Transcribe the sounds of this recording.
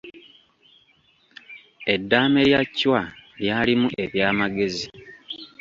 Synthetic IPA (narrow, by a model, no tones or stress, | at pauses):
e̞dːaːme̞ljacːwaljaːlimuʔe̞βjaːmaɡe̞zi